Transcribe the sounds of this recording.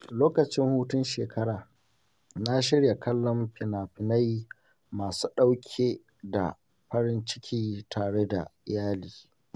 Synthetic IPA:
loː˦kɐ˨t͡ʃɪ˦ŋhuː˦tʊ˦nʃeː˨kɐ˦ɽaː˨ | na˦ʃɪ˦ɽja˨kɐ˦lːɔ˦mɸɪ˨naː˨ɸɪ˨na˦j | maː˨suː˦ɗa˦wkʲʰeː˦ | da̰˨ | ɸɐ˦ɾɪ˦nt͡ʃɪ̥˦kʲiː˦tʰaː˨ɽe˦da̰˨ɪ˨jaː˦liː˨

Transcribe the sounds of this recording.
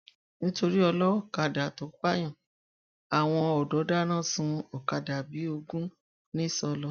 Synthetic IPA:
nĩ˦to˧ɾi˦ɔ˧lɔ˦˨ka˧da˨to˨˦k͡pa˦j̃ã˦˨ | a˨w̃ɔ̃˧ɔ˨dɔ˨˦da˦nã˦˨sũ˧˦ɔ˨ka˧da˨bi˨˦o˧ɡũ˦ | nĩ˦˨sɔ˧lɔ˦

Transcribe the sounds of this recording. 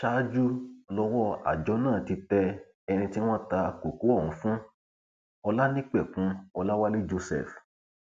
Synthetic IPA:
ʃa˦d͡ʒu˦lɔ˦wɔ˦a̰˨d͡ʒɔ˨˦nãː˦˨ti˧tɛ˧ | ɛ˧nĩ˧ti˦w̃ɔ̃˦ta˧a˨ko˨ku˨˦ɔ˦˨ũ˨˦fũ˦ | ɔ˧la˦nĩ˦k͡pɛ˦˨fũ˦ɔ˧la˦wa˦li˦d͡ʒo˧sɛ̰˦˨f

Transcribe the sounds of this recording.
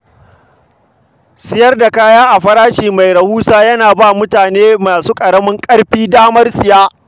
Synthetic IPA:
sɪ˦jɐ˦rda˨kaː˦jaː˦ʔa˨ɸɐ˦ɾaː˦ʃiː˨ma˨jɾɐ˨huː˦saː˦jɐ˦naː˨baː˦˨mʊ˦taː˨neː˦maː˨suː˦kʼɐ˨ɽɐ˦mɪ˦ŋkʼɐ˦ɽɸiː˦daː˦mɐ˦rsɪ˨jaː˦

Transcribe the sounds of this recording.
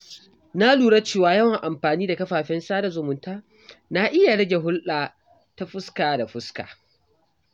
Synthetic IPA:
na˦luː˨ɽa˦t͡ʃeː˦˨waː˦jɐ˦wa˨ŋʔa˨mɸaː˨niː˦da˨kɐ˦ɸaː˨ɸɛ˦nsaː˦da˨zʊ˨mʊ˨ntaː˦ | na˦ʔɪ˦ja˨ɽɐ˦ɡʲe˨ɦʊ˦lʔa˨ | ta˦ɸʊ˦skaː˨da˨ɸʊ˦ska̰ː˨

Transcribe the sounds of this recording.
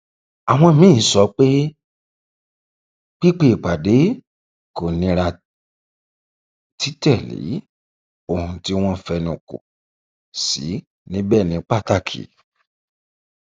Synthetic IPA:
a˨w̃ɔ̃˧mĩ˦˨˦sɔ˧˦k͡pe˦ | k͡pi˦k͡pe˦˨k͡pa˨de˨˦ | ko˨nĩ˧ɾa˧ | ti˦tɛ˦˨lḭ˨˦ | o˨hũ˧ti˧w̃ɔ̃˧fɛ˧nũ˨ko̰˨ | sḭ˨˦ | nĩ˦bɛ˦˨nĩ˨˦k͡pa˦˨ta˦˨kʰḭ˨

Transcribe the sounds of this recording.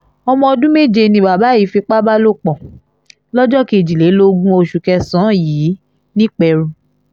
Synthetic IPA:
ɔ˧mɔ̃˧ɔ˧dũ˦me˦˨d͡ʒe˧nĩ˧ba˨ba˨˦ji˨˦fi˧k͡pa˦ba˦lo˦˨k͡pɔ̃˨ | lɔ˦d͡ʒɔ˦ki˦˨d͡ʒi˨le˨˦lo˧ɡũ˦o˧ʃu˨kɛ˧sã˨˦jiː˨˦ | nĩ˦k͡pɛ˧ɾũ˧

